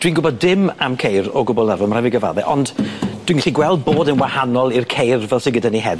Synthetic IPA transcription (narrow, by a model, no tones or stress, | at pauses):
d̥wiːnɡʊbɔdɪmamkʰejɾɔɡʊbɔlˠnarvəmr̥ɛvɪɡəva̰ðɛʔɔnd̥d̥wiːnɡɪɬiɡwɛlˠd̚boːdənwahanɔlˠirkʰejrvɛlˠsɪɡədaniɦɛð